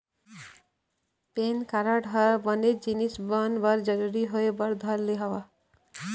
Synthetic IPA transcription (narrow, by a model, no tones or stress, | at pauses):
penkaɾaɖʱɦɔɾabʌned͡ʒinisbʌnbʌɾd͡ʒʌɾuɾiɦoebʌɾd̪ʱʌɾleɦɔwa